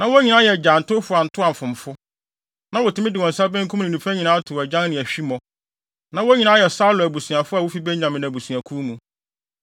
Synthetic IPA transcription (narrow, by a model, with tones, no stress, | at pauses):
nã˨wo˦ɲĩ˨nã˦jɛ˨d͡ʑa˨n̩˨tʊ˦fʊ˦a˨n̩˨tʰʊ˦a˨m̩˨fʊ̃˨mfʊ˦ | nã˦wɔ˨tʰɪ̃˨˦mɪ̃˦dɪ˨wɔ̃˨n˨sa˦bɛ̃˦ŋ̩˦kʰũ˦m˦nɪ̃˨nũ˨fæ˦ɲĩ˨nãː˨˦a˦tʰʊ˨æ˨d͡ʑã˦n˦nɪ̃˨æ˨ɕᶣi˦mɔ̃˨ | nã˨wo˦ɲĩ˨nã˦jɛ˨sa˦lʊ˨æ˨bu˨sũ˨a˨fʊ˦a˨wo˦fi˦bɛ˦ɲã˨mɪ̃˨n˨æ˨bu˨su˨a˨kʰu˦mũ˨